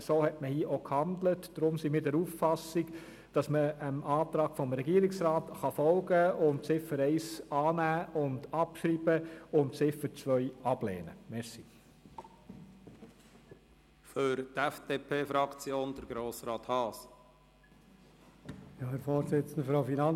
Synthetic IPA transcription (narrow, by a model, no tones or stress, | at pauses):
soːhɛtməhiːəʔokhɑndlətd̥ɾʊmsimiːɾdɛɾuːffɑsiɡ | d̥ɑsməəmɑːt̪ɾɑːɡ̥fɔmɾɛɡiːɾɪksɾɑːtχɑfɔlɡəʊmt͡sɪfəɾɛɪsɑːnæːʊndɑpʃɾiːb̥əʊnt͡sɪfəɾt͡sʋœʏɑblɛ̰ːnə̰mɛɾsi | føɾtɛfd̪̥eːpʰeːfɾɑkt͡sjoːnd̥̪əɾɡɾoːsɾɑːt̪hɑːs | jɑːhɛɾfɔːɾsɪt͡sən̩dəfɾoʊfinɑn